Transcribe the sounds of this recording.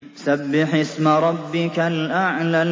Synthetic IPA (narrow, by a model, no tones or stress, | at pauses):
sabːɪħɪsmaɾˤɑbːɪkalʔaʕla